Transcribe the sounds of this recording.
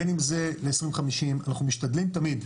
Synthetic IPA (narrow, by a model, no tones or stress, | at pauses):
enimze̞leːsʁĩmvχamiʃimanaχnumiʃtad̪limt̪amid